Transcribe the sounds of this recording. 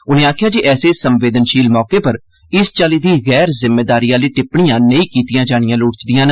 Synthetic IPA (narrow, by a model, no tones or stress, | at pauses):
ʊnẽːaːkʰjaːd͡ʒeʔɛːseːsəmʋeːd̪ənʃiːlmɔːkeːpəɾ | ɪst͡ʃaːliːd̪iːɣɛːɾzɪmːeːd̪aːɾijãːliːʈɪpɳijãːnəĩːkiːt̪ɪjãːd͡ʒaːɽ̃ɪjãːlʊːɽt͡ʃd̪ɪjãːn